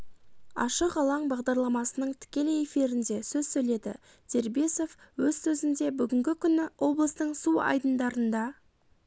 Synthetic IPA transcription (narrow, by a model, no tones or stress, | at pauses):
ɑ̰ʃəqɑlˠɑɴbɑʁd̪ɑɾlˠɑmɑsənəɴt̪ʰɪ̥kʲe̞leje̞fiɾɪnd̪e̞sɵzsɵjle̞d̪ɪ̰ | d̪̥ʰe̞ɾbe̞so̞fwɵzsɵzɪnd̪e̞bʏɡʲɪŋɡʲɪkʲʰʏnɪwo̞blˠəst̪əɴsuɑ̰jd̪ənd̪ɑɾənd̪ɑ